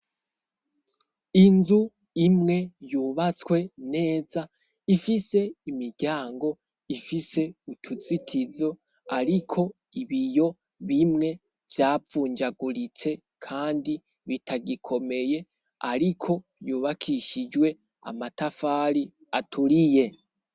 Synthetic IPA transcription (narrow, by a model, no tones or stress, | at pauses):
inzu | imŋe̞juːβat͡skwe̞ne̞ːza | ifise̞imiɾɟ̥aːŋɡo̞ | ifise̞utʰut͡sitʰizo̞ | aɾikʰo̞ | iβijo̞ | βimŋe̞ | vjaːfuːɲd͡ʒaɡuɾit͡se̞ | kʰaːndi | βitʰaɡikʰo̞me̞je̞ | a̰ɾikʰo̞ | juːβakʰiʃid͡ʒwe̞ | a̰matafaːɾi | atʰuɾije̞